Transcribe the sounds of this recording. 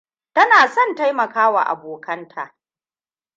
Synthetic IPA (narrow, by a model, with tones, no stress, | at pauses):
tɐ˦naː˨sɔ˦˨nta˦jmɐ˨kaː˦wa̰˨ʔa̰˨boː˨kʰɐ˦ntʰaː˨ʔ